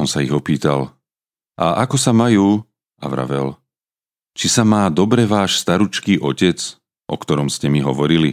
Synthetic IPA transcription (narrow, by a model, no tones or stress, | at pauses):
ɔnsaiɣɔpiːt̪al | ʔa̰ʔakɔsamajuː | a̰ʋɾa̰ʋɛl | t͡ʃisamaːd̪ɔbɾɛʋaːʃst̪aɾut͡ʃkiːʔɔcɛt͡s | ʔɔ̰kt̪ɔɾɔmscɛmiɦɔʋɔɾili